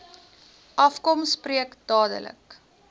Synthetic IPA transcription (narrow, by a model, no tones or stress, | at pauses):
ʔɐfkɔmspriəkd̥ɑːdə̰lə̰k